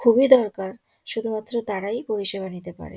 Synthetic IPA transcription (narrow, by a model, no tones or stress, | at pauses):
kʰubid̪ɔɾkaɾ | ʃud̪ʱumat̪ːɾod̪aɽajpoɾiʃeβanit̪epa̰ɾḛ